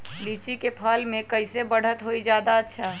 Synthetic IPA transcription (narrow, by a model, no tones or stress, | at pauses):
bit͡ʃikepʰəlmekəɪsebəɽ̤ət̪ɦoid͡ʒjad̪aətːʃʰa